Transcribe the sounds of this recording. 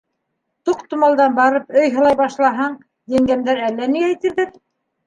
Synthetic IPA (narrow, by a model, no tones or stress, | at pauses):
t̪uqt̪ŭmɑlˠd̪ɑnbɑɾɤpɵjɦɤ̆lˠɑjbɑʃlˠɑɦɑɴ | j̪æŋɡæmd̪æɾælːæniæjt̪iɾðɘɾ